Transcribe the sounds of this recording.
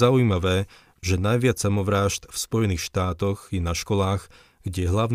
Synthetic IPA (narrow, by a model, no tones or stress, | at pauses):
auiːmaʋɛː | ʒɛnajʋɪat͡ssamɔʋɾaːʒt̪fspɔjɛniːxʃt̪aːt̪ɔɣjɛnaʃkɔlaːɣ | ɡ̥ɟɛɦlaʊn